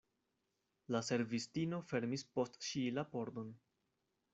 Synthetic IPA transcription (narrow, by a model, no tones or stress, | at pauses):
lase̞ɾvistino̞fe̞ɾmispo̞stʃilapo̞ɾdo̞n